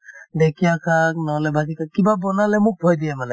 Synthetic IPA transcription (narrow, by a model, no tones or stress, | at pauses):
dɛkʰijakʰak̚nɔɦɔlɛbʱazikʰakkːibabɔnalɛmʊk̚bʱɔjdiɛmala